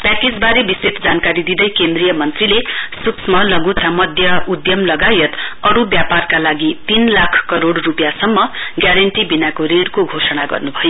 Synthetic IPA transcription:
pakit͡sbaɾebisit̪d͡zankaɾid̪id̪ʌjkend̪rijʌmʌnt̪rilesuksmʌlʌɡut̪ʰamʌd̪ʱjʌud̪jʌmlʌɡajʌt̪ʌɾubjaparkalaɡit̪inlakʰkʌɾoɽrupjasʌmːʌɡjaɾʌɳʈibinakoɾeɽkoɡʱosʌɽaɡʌ̰rnubʱʌjo

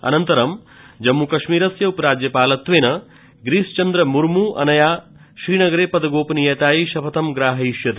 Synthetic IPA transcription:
ɐ̰nɐnt̪ɐɾɐm | d͡ʒɐmːukɐʃmiːɾɐsjɐupɐɾaːd͡ʒjɐpaːlɐt̪ʋeːnɐ | ɡɾiːst͡ʃɐnd̪ɾɐmuɾmuːʔɐ̰nɐjaː | ʃɾiːnɐɡɐɾeːpɐd̪ɐɡoːpɐnijɐt̪aːjiʃɐpʰɐt̪ɐmɡɾaːɦɐiʃjɐt̪

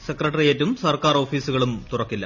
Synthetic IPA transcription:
sekrɐʈːɐrijetːumsɐrkaːro̞ːfiːsuɣɐɭumt̪urɐkːilːɐ̰

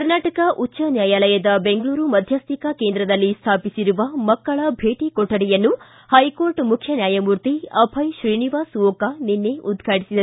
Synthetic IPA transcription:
kɐɾnaːʈɐkɐʔutːʃɐnjaːjaːlɐjɐd̪ɐbe̞ŋɡɭuːɾumɐd̪ʱjaːst̪ikɐkeːnd̪ɾɐd̪ɐlːist̪ʰaːpisiɾuʋɐmɐkːɐɭɐbʱe̞ːʈikɔʈːɐɽɛjɐnːu | hɐjko̞ːɾʈmukʰjɐnjaːjɐmuːɾt̪iɐbʰʱɐjʃɾiːniʋaːsʋoːkɐninːeʔud̪ɡʱaːʈisid̪ɐ

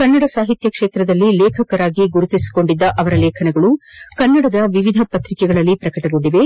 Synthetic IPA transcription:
kɐnːɐɽɐsaːɦit̪jɐkʂeːt̪ɾɐd̪ɐlːileːkʰɐkɐɾaːɡiɡuɾut̪isi̥ko̞ɳɖid̪ːɐʔɐʋɐɾɐleːkʰɐnɛɡɐɭukɐnːɐɽɐd̪ɐʋiʋid̪ʱɐpɐt̪ɾikɛɡɐɭɐlːipɾɐkɐʈɐɡo̞ɳɖiʋe̞

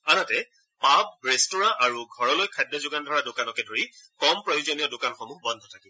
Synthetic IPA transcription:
anatɛ | pab̚ɹestuɹaʔaɹuɡʱɔɹɔlojkʰajdjɔzʊɡandʱɔɹadʊkanɔkɛdoɹikɔmpɹɔjuzɔnijɔdʊkanxɔmuɦbɔndʱɔtʰaki

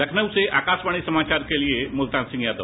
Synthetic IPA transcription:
ləkʰnəʋseʔakasʋaɽ̃isəmat͡ɕaɾkeliemult̪ansĩŋɡjad̪ə

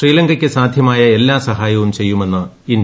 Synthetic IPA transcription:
riːlɐŋɡɐkʲːɨsaːd̪ʱjɐmaːjɐe̞lːaːsɐɦaːjɐʋumt͡ɕe̞jːume̞nːɐ | in

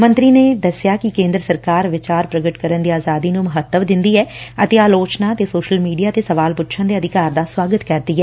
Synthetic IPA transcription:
mə̃nt̪ɾiːneːd̪əsɪjaːkɪkẽːnd̪ɾəsəɾkaːɾʋɪt͡ʃaːɾpɾəɡəʈkəɾənd̪iːaːzaːd̪iːnũməɦət̪ːəʋd̪ɪ̃nd̪iːɛːət̪eːaːloːt͡ʃnaːt̪eːsoːʃəlmiːɖijaːt̪eːsəʋaːlpʊtːʃʰə̃nd̪eːəd̪ɪkaːɾd̪aːswaːɡət̪kəɾd̪iːɛː

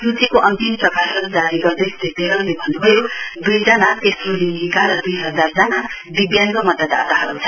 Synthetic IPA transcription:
rut͡sikoʔʌnt̪imprʌkasʌɾud͡zaɾiɡʌrd̪ʌjst̪ʰit̪eɾʌɾlebʱʌnːubʱʌjod̪ujd͡zʌnat̪esroninikaɾʌd̪ujɦʌd͡zard͡zana | biɡjankʌmʌd̪ʌd̪a̰t̪aɦʌɾut͡sʰʌ

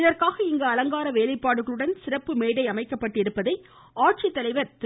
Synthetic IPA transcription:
ðɐɾkaːɣɐɪŋɡɐɐlɐŋɡaːɾɐʋeːlɐɪpːaːɽɯɣɐɭɯɽɐnsɪrɐpːɯmeːɽɐɪɐmɐɪkːɐpːɐʈːɪɾɯpːɐðɐɪ | aːʈ̚t͡ʃit̪ːɐlɐɪʋɐɾt̪

